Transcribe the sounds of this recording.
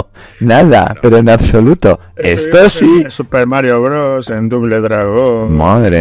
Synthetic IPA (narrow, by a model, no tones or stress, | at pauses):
naða̰pe̞ɾoenaβso̞lut̪o̞ | est̪osisupeɾmaɾjoɣɾosend̪uɣleðɾaɣomaðɾe